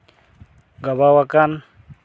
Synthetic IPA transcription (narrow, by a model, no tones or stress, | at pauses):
ɡabawakan